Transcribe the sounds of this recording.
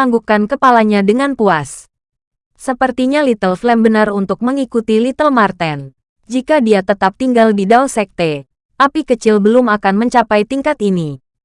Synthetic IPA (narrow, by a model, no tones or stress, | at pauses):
aŋɡukankəpalaɲadəŋanpuas | səpərt̪iɲalit̪əlflɛmbənarunt̪ʊk̚məŋikut̪ilit̪əlmart̪ɛn | d͡ʒikadiat̪ət̪ap̚t̪iŋɡaldidalsɛk̚t̪e | ʔapikət͡ʃɪlbəlʊmakanməɲt͡ʃapajt̪iŋkat̪ini